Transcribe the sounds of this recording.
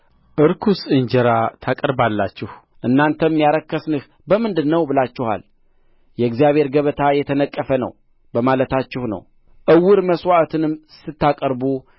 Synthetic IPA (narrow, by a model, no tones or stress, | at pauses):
ʔɨɾkʰusɨɲd͡ʒɛɾat̪ʰakʼəɾbalːat͡ʃːɪh | ʔɨnːant̪ʰəmːjaɾəkːəsnɨh | bəmɨnd̪ɨnːəwbɨlat͡ʃːɪha̰l | jɛɨɡzijaβhe̞ɾɡəβət̪ʰajɛt̪ʰənəkʼːəfənə̰w | bəmalət̪ʰat͡ʃːɪhnə̰w | ʔɨwːɨɾməswaʔt̪ʰɨnɨm | sɨt̪ːakʼəɾbu